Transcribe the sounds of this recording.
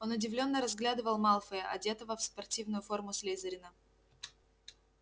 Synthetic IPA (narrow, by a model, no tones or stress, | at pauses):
o̞nʊdʲɪvlʲo̞nːəɾɐzɡlʲad̪ɨvəlˠmalˠfəjəʔɐdʲet̪əvəfspɐrtʲivnʊjʊfo̞rmʊslʲejzəɾʲɪnə